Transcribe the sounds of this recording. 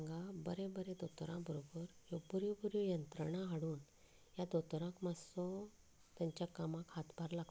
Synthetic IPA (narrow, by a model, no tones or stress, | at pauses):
ŋɡabəɾẽbəɾed̪ot̪ɾã̰bʱəɾobəɾjobəɾjɔbuɾjɔjənt̪ɾəɽ̃aɦaɽuːn | jad̪ot̪ɾãkmasɔ | t̪jaɲt͡ɕjakamakhat̪bʱaɾlaɡ̚t̪